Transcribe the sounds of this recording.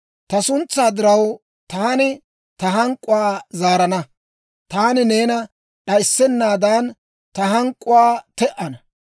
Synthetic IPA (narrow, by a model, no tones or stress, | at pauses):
t̪ɐsʊnt͡sːaːd̪ɪɾɐw | t̪aːnɪ | t̪ɐɦɐŋkʼːʊwaːzaːɾɐnɐ | t̪aːnɪne̞ːnɐ | ɗɐjɪsːɛnːaːd̪aːn | t̪ɐɦɐŋkʼːʊwaːt̪ɛʔɐnɐ